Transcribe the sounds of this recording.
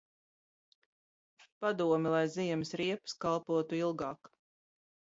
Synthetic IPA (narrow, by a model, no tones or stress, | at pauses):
pad̪uɔmʲɛlˠajziɛmɪsɾiɛpɨ̥skalˠpuɔt̪uilˠɡɑːk